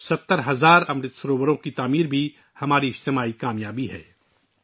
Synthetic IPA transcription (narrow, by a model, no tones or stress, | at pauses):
sɐt̪ːəɾɦɐzaːɾɐmɾɪt̪səɾoːwəɾõkit̪aːmiːɾbʱi | hɐmaːɾiɪd͡ʒt̪ɪmaːikaːmjaːbiɦɛ̰ː